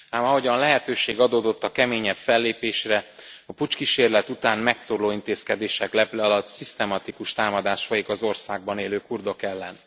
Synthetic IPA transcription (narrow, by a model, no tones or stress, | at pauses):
aːmɒɦo̞ɟɒnlɛɦɛt̪øːʃeːɡɒd̪oːd̪o̞t̪ːɒkɛmeːɲɛbfɛlːeːpeːʃrɛɒput͡ʃkiʃeːrlɛt̪ut̪aːnmɛk̚t̪orloːint̪eːskɛd̪eːʃɛklɛplɛɒlɒt̪sist̪ɛmɒt̪ikuʃt̪aːmɒd̪aːʃfojikɒzo̞rsaːɡ̚bɒneːløːkurd̪okɛlːɛn